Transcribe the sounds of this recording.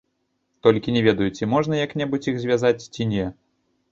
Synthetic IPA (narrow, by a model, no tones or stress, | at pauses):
t̪ɔlʲkʲinʲɛvʲɛd̪ɐjut͡sʲimɔʐnɐjaknʲɛbut͡sʲixzʲvʲazat͡sʲt͡sʲinʲɛ